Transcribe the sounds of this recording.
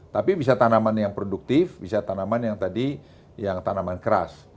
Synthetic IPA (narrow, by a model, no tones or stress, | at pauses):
t̪apibis̬at̪anamanjaŋpɾoduk̚t̪ɪfbisat̪anamanjaŋt̪adi | jaŋt̪anamankəɾa̰s